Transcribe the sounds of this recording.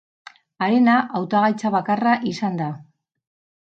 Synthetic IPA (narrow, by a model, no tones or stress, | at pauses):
aɾenaʔawt̪aɣajt͡saβakaraʔisand̪a